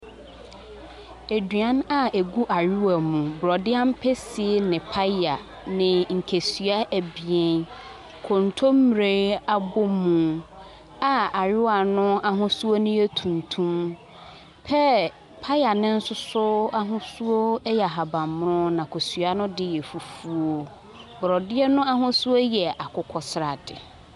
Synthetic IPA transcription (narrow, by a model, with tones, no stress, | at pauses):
e˨dɥã˦na˦e˨ɡu˦ʔa˨ɾu˦wa˨mũ˨bɾɔ˨dɪ˦ã˦m̩˦pʰɛ˦si˨e˦nɪ̃˨pʰa˦a˨ | nɪ̃˨ŋ̩˨kʰe˨sɥa˦ʔæ˨bi˨e˦n | kʰɔ̃˨n˨tʰo˦m˦m˨ɾe˦a˦bo˦mũ˨ | a˨a˨ɾʊ˦wa˨nʊ̃˦a˦ɦʊ̃˦su˦o˦nʊ̃˦e˦tʰũ˨n˨tʰũ˦m | pʰɛ˦ | pʰa˦ja˨nɪ̃˦n̩˦sʊ˦sʊ˦a˦ɦʊ̃˦su˦o˦jɛ˨a˨ɦa˨bã˨mm˦ɾʊ̃˦nã˨kʰo˨sɥa˦nʊ̃˦dɪ˦jɛ˨fu˨fu˦o˦ | bɾɔ˨dɪ˦ɛ˦nʊ̃˦a˦ɦʊ̃˦su˦o˦jɛ˨ʔa˨kʰʊ˦kʰɔ˦sɾa˨dɪ˨